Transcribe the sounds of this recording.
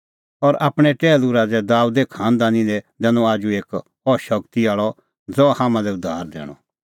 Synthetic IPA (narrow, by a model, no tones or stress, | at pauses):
ɔɾaːpɽ̃ɛʈɛːluɾaːd͡zɛd̪aːud̪ekʰãːnd̪anĩd̪ɛd̪ɛ̃ːnɔ̃aːd͡ʒueːk | ɔʃɐkt̪iaːɭɔ | d͡zɔhaːmãlɛʊd̪ʱːaːɾd̪ɛ̰ːɽ̃ɔ̰